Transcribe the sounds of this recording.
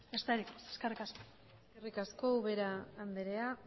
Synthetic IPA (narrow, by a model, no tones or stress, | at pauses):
est̪eɾikose̥skerikasko̥ | eskerikasko̞uβe̞ɾaːnd̪eɾea